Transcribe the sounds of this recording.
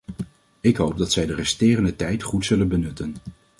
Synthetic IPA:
ɪkɦowb̚dɑtsɛjdərɛstɪːrəndətɛjtχutsɵlənbənɵtən

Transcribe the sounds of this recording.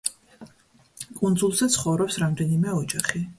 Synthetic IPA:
kʼund̪zulˠzɛt̪sʰχɔvɾɔpsɾamd̪ɛnimɛɔd͡ʒaχi

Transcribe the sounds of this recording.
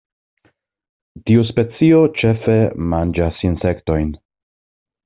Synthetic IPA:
tiuspe̞t͡sio̞t͡ʃe̞fe̞mand͡ʒasinse̞kto̞jn

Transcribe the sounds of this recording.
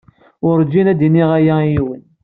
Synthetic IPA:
ʊɾd͡ʒinæd̪iniʁæjæjiwən

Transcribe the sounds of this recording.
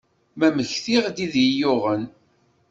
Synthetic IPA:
mæməçθiʁd̪iðijʊʁən

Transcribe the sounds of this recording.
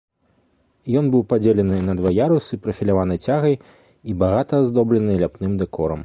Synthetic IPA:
jɔnbɨwpad͡zʲelʲɛnɨnɐd̪vajaɾusɨpɾɐfʲilʲavanɨt͡sʲaɣɐj | ibaɣat̪ɐzd̪ɔblʲɐnɨlʲapnɨmd̪ɛkʰɔɾɐ̰m

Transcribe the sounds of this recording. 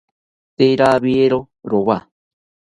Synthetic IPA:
t̪eɾaβieɾo | ɾoβa

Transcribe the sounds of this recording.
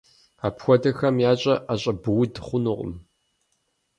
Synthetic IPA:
aːpxʷɔdɐxɐmjaːɕʼɐʔaɕʼɐbɨwʊdɨχʷʊnuʁʷʼʊ̰m

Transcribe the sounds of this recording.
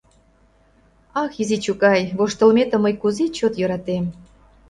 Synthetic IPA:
ɑxizit͡ɕukɑjβoʃt̪ə̆lmʲet̪ə̆məjkuzit͡ɕot̪jɤ̆ɾɑt̪em

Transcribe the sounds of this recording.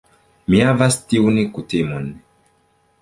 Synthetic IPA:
miavast̪iunikutemɔni

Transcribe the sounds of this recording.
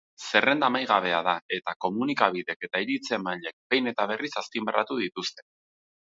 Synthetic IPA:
se̞re̞nd̪amajɣ̞aβ̞e̞að̞ae̞t̪ako̞munikaβ̞iðe̞ke̞t̪aiɾit͡se̞maʎe̞k̚be̞jne̞t̪aβ̞e̞risaspimbera̰t̪uð̞it̪ust̪e̞̥

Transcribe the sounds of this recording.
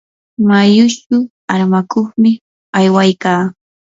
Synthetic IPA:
majʊt͡ʃʊ | aɾmakoχmɪ | ajwajkaː

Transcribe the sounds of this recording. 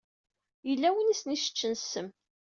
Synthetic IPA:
jəlːæwənisniʃə̥t͡ʃːənsəm

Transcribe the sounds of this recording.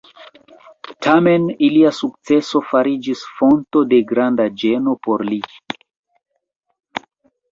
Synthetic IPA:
tʰame̞niliasuk̚t͡se̞so̞faɾid͡ʒisfo̞nto̞de̞ɡɾandad͡ʒe̞no̞po̞ɾli

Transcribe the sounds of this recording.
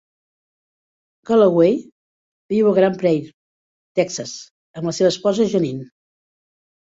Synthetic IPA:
kaləɣwej | biwəɣɾampɾɛj | t̪ɛksəs | əmləseβəspɔzəʒonin

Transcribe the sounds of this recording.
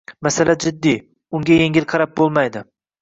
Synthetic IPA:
masalad͡ʒɪd̪ːi | ʊŋɡʲajeŋʲɪlqʰɑɾap̚bolˠmajd̪ɪ

